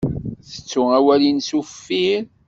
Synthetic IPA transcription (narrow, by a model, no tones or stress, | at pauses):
θə̥t͡sːʊæwælinsuffːin